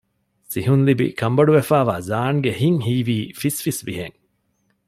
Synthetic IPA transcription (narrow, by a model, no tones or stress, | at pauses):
siɦunlibḭkɐmbɐɖuʋefæːʋaːzaːŋɡehiŋhiːʋiːfisfisʋiɦḛŋ